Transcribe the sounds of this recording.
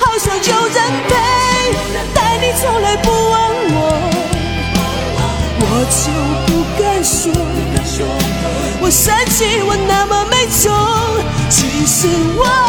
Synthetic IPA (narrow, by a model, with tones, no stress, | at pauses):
xɑ˥˩ʊɕjɑ˨˧˩ŋt͡ɕjo˥˧ʊt͡sə˥˧npe˥˩ | t̪a˥˩ɪni˨˩t͡sʰʊ˥ŋla˧˥ɪpu˥˧wə˧˥nwɔ˨˩ | wɔ˨˩t͡ɕjo˧˩ʊpu˧ka˥˧ɪnʂɔ˧˥˨ | wɔ˨˩ʂə˧˥nt͡ɕi˧˥wɔ˨˩na˥˧˩mə˨me˧˥ɪt͡so˧˦ | t͡ɕʰi˧˥ʂ̩˧˥wɔ˦